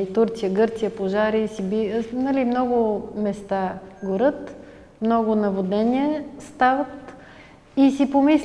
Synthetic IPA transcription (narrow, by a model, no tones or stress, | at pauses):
it̪uɾt̪sijəɡɤɾt̪sijəpoʒaɾisibinɐlimnɔɡʊmɛst̪aɡoɾɤt̪ | mnɔɡʊnɐvod̪nɛniɛst̪avət̪ | isipomis